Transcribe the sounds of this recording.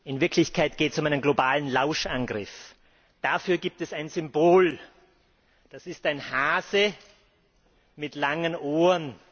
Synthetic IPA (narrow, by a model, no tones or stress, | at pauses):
ʔɪnvɪɐkʰlɪçkʰaɪtɡ̥eːtɛsʊmaɪnənɡlobaːlənlaʊʃʔanɡʁɪf | d̥afyːɐɡiːp̚tɛsaɪnzʏmboːl | d̥asɪstaɪnhaːzə | mɪtlaŋənʔoːən